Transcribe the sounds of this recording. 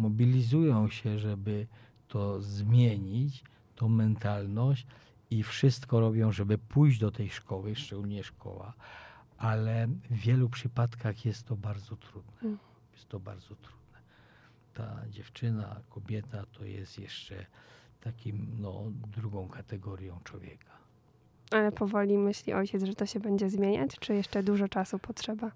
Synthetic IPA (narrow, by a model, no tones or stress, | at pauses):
mɔbʲilʲizujɔ̃w̃ɕɛʐɛbɘ | t̪ɔzmʲjeɲit͡ɕ | t̪ɔ̃w̃mɛnt̪alnɔɕ | ifʂɘst̪kɔɾɔbʲjɔ̃w̃ʐɛbɘpujʑd͡ʑd̪ɔt̪ɛjʂkɔwɘʂɛɡulʲɲɛʂkʰɔ̰wa̰ʔalɛvʲjɛlupʂɘpat̪kaxjɛst̪ːɔbaɾd̪zɔt̪ɾud̪nɛ | jɛst̪ːɔba̰ɾd̪zɔt̪ɾud̪nɛ | t̪a̰d͡ʑɛft͡ʂɘna̰kʰɔbʲjɛt̪at̪ʰɔjɛ̰st̪jɛʂt͡ʂɛ̰t̪akʲimnɔ̰d̪ɾuɡɔ̃w̃kʰat̪ɛɡɔɾʲjɔ̃w̃t͡ʂwɔvʲjɛ̰kʰḁ | alɛpɔvɔlʲimɘɕlʲiʔɔjt͡ɕɛt̪zʐɛt̪ɔɕɛbɛɲd͡ʑɛzmʲjeɲa̰t͡ɕt͡ʂɘjɛʂt͡ʂɛd̪uʐɔt͡ʂasupɔtʂɛba